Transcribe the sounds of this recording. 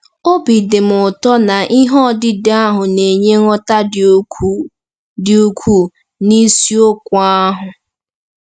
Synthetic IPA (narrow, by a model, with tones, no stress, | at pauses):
o˦bi˨dɪ˨m̩˨ʊ˨tɔ˦na˨ʔi˦ɦɔ˦˨dɪ˦da˦ɦʊ˨ne˨ɲe˦ŋɔ˦ta˦d | dɪ˨u˦kʷʰu˦ | ni˦si˦o˦kʷa˦ɦʊ˨